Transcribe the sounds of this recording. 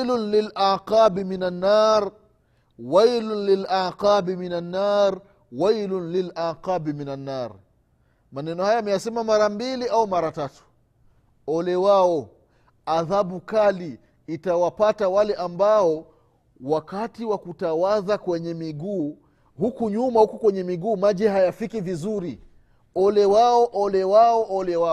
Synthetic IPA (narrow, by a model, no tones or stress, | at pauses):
lʊnlilaqabiminanːaːɾ | wajlnlilaqabiminanːaːɾ | wajlʊnlilaːqabiminanːaːɾ | manɛnɔhajaːmɛjasɛmamaɾambiliʔaumaɾatatu̥ | ɔlɛwaɔ | aðaɓukaliː | tawapatawalɛʔambaɔ | wakatiwakutawaðakwɛɲɛmiɡuː | hukuɲumahukukwɛɲɛmiɡuːmaʄɛhajafikivizuɾi | ɔlɛwaɔʔɔlɛwaɔʔɔlɛwa